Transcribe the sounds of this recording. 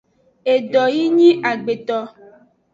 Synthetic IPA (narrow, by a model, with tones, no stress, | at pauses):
e˨ɖɔ˨ji˦ɲĩ˦ʔa˨ɡ͡be˨t̪ɔ˦